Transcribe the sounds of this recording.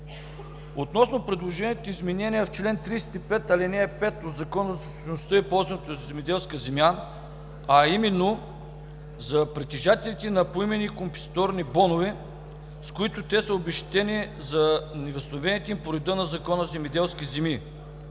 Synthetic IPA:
ot̪nɔsnopɾɛd̪lˠoʒɛniət̪oizmɛnɛnʲiɛft͡ʃlɛnt̪ɾist̪ipɛt̪ɐlinɛːpɛt̪od̪zɐkɔnəzɐsʃnʊst̪əipɔlˠzɐnət̪ozzɛmɛd̪ɛlˠskəzɛmja | ɐimɛnːo | zɐpɾɛt̪ɛʒat̪ɛlit̪inɐpoimɛnikompɛ̥st̪ɔɾnibɔnovɛ | skʊit̪ʊt̪ɛsɐobɛʃt̪ɛnizɐnɛvəst̪vɛnit̪impoɾɛd̪ənɐzɐkɔnəzɛmɛd̪ɛlˠskʲizɛmi

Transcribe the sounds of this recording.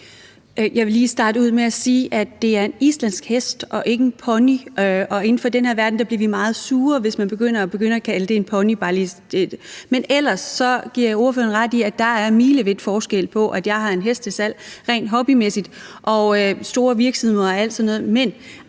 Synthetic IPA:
jʔɑ̈ɪʋe̝liːsd̥ɑ̈ːd̥əuð̰ˠmeæsiːʔæd̥ːe̝æɐe̝nislæn̰sɡ̥hesd̥ʔɒ̽ʔe̝ɡ̥ənpʰɒ̽niʔɒ̽e̝n̩fɒ̽d̥enɦeɐʋæɐd̥n̩d̥ɑ̈b̥liɐʋimɑ̈ːð̞̩ˠsuːɐʋe̝smænb̥e̝ɡ̥øn̰ɐæb̥e̝ɡ̥øn̰ɐækʰæləd̥e̝enpʰɒ̽nib̥ɑ̈li̥e̥menel̰ɐsɒ̽ɡ̥iɐ̰jɑ̈o̝ɐføɐnʁɑd̥iæd̥ːɑ̈æɐmiːləʋe̝d̥fɒːsɡ̥el̰pʰɒ̽ʔæd̥jɑ̈ɪɦɑ̈e̝nɦesd̥əsæl̰ʁɛ̰nd̥ɦɒ̽b̥imesid̥ʔɒ̽sd̥o̝ːɐʋiɐɡ̥smˠæl̰d̥sɒ̽nːɔ̽ːð̩ˠmen

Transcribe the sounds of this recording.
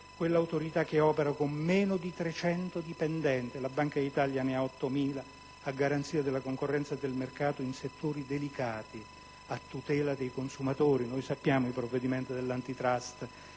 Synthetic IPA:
kwelːawt̪oɾit̪ak̟ːeɔːpeɾakomːɛːnod̪it̪ɾet͡ʃɛnt̪od̪ipɛnd̪ɛnt̪ɪlabːaŋkait̪aljaneaɔt̪ːomiːla | aɡaɾant̪siːad̪elːakoŋkorːɛnt̪sad̪elmerkaːt̪oinset̪ːoːɾid̪elikaːt̪i | at̪ːut̪ɛːlad̪ejkonsumat̪oːɾinojsapːjaːmoilpɾovːed̪imɛnt̪od̪elːant̪it̪ɾast̪

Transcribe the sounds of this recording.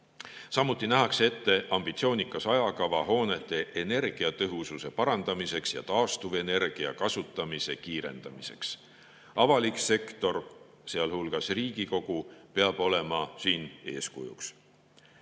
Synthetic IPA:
sɑmut̪ːˑinæɦɑkse̞t̪ːe̞ʔɑmb̥it̪sioːnʲikːˑɑsɑjɑkɑvɑɦo̞ːne̞t̪ˑːe̞ʔene̞rɡ̥iɑt̪ɤɦususe̞pɑɾɑnd̪̥ɑmise̞ksjɑ̰t̪ɑːst̪uve̞ne̞rɡ̥iɑ̰kɑsut̪ːˑɑmise̞kiːɾe̞̰nd̪̥ɑmise̞̰ks | ʔɑvɑlikse̞kt̪o̞r | seɑlhulɡ̥ɑsriːɡ̥iko̞ɡ̥upe̞ɑb̥o̞le̞mɑsiːne̞̰ːskujṵks

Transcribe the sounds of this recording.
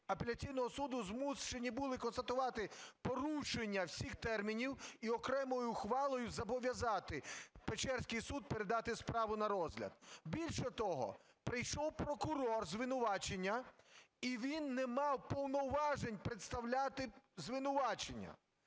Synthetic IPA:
ɐpelʲɐt͡sʲijnɔɦɔsud̪ʊzmust͡ʃenʲibʊlˠɪkɔnst̪ɐt̪ʊʋɑt̪ɪpɔɾuʃenʲːɐwsʲixt̪ɛrmʲinʲiwiɔkɾɛmɔjʊxʋɑlˠɔjʊzɐbɔʋʲjɐzɑt̪ɪpet͡ʃɛrsʲkɪjsud̪̚peɾed̪ɑt̪ɪspɾɑʋʊnɐɾɔzɦlʲɐ̰d̪̚bʲilʲʃɛt̪ɔɦɔ̰ | pɾɪjʃɔwpɾɔkʊɾɔrzʋɪnʊʋɑt͡ʃenʲːɐ | iʋʲinːɛmɑwpɔwnɔwʋɑʒenʲpɾet̪st̪ɐwlʲat̪ɪzʋɪnʊʋɑt͡ʃenʲːɐ̰

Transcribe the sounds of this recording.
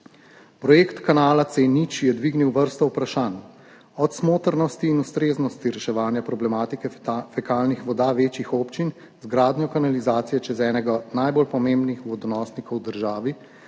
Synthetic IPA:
pɾɔjeːkt̪kanaːlat̪senit͡ʃjɛd̪ʋiːɡniwʋəɾst̪ɔwpɾaʃaːn | ɔt̪smoːt̪əɾnɔst̪iːnust̪ɾeːznɔst̪iɾɛʃɛʋaːnjapɾɔblɛmaːt̪ikɛfɛkaːlnixʋɔd̪aːʋeːt͡ʃixoːpt͡ʃin | zɡɾaːd̪njɔkanalizaːt̪sijɛt͡ʃɛzɛːnɛɡanajbolpɔmẽmbnixʋɔd̪ɔnɔːsnikɔwd̪əɾʒaːʋi

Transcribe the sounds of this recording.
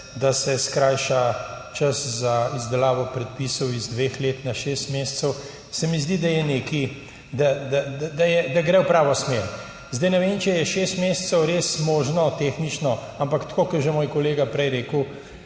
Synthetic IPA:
d̪asɛskɾajʃat͡ʃɐszaizd̪ɛlaːʋɔpɾɛt̪̚pisɔwizd̪ʋeːxleːt̪naʃeːst̪meːssɛw | sɛmizd̪id̪ajɛneːki | d̪ad̪ad̪ad̪ajɛd̪aɡɾɛwpɾaːʋɔsmeɾ | zd̪ɛjnɛʋeːnt͡ʃɛjɛʃeːst̪meːssɛwɾeːsmoːʒnɔt̪exnit͡ʃnɔ | ampakt̪koːkɐɾʒɛmoːjkɔleːɡapɾɛjɾeːkəw

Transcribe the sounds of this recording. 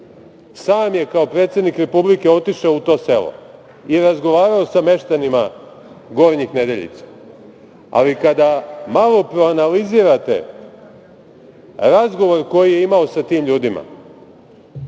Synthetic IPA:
saːmje̞kao̞pɾet̪sed̪nikɾe̞publike̞o̞t̪iʃaout̪o̞ːse̞lo̰ | iɾazɡo̞ʋaːɾao̞same̞ʃt̪anima | ɡo̞ɾɲixne̞d̪e̞ʎḭt̪sḁ | a̰likad̪amalˠo̞pɾo̞analiziːɾat̪e̞̰ | ɾazɡo̞ʋo̞ɾko̞jije̞imao̞sat̪iːmʎuːd̪ima̰

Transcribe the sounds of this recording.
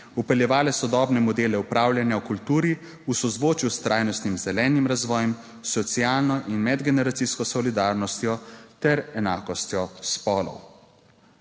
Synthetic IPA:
upɛljɛʋaːlɛsɔd̪ɔːbnɛmɔd̪eːlɛupɾaːwljanjaukult̪uːɾi | usɔzʋoːt͡ʃjust̪ɾʔaːjnɔst̪nimzɛlɛːnimɾazʋɔːjɛm | sɔt̪sijaːlnɔʔinmɛd̪ɡɛnɛɾat̪siskɔsɔlid̪aːɾnɔst̪jɔt̪ɛɾɛnaːkɔst̪jɔspɔːlɔ̰w

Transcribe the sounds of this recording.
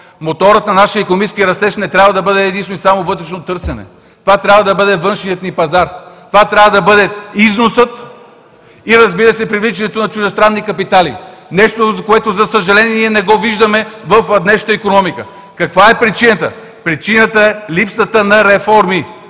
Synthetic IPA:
mot̪ɔɾət̪nɐnaʃiəikonomit͡ʃɛskiəɾɐst̪ɛʃnɛt̪ɾʲabvɐd̪ɐbɤd̪ɛːd̪inst̪oisamovɤt̪ɾɛʃnot̪ɤɾsɛnɛ̰ | t̪ovat̪ɾʲabvɐd̪ɐbɤd̪ɛvɤnʃniət̪nipɐzaɾt̪ovat̪ɾʲabvɐd̪ɐbɤd̪ɛiznosət̪ | iɾɐzbiɾəsɛpɾivlit͡ʃɛnɛt̪onɐt͡ʃuʒɛst̪ɾanːikɐpit̪alḭnɛʃt̪ozkoɛt̪ozɐsəʒɐlɛnniɛnɛɡɔviʒd̪əmɛvɐfɐd̪nɛʃt̪əikonɔmikə | kɐkvaɛpɾit͡ʃinət̪ə̰ | pɾit͡ʃinət̪əɛlipsət̪ənɐɾɛfɔɾmi

